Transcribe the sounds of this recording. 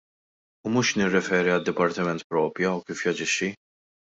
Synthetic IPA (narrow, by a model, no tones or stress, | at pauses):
umuːʃnɪrːɛfɛːɾiɐd̪ːɪpɐɾt̪ɪmɛnt̪pɾɔːpjuɐwkiːfjɐd͡ʒɪʃːi